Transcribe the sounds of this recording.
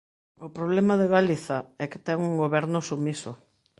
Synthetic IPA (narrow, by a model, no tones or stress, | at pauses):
ʊpɾoβlɛmaðeɣaliθaɛkɪ̥t̪ɛŋuŋɡoβɛɾnʊsumiso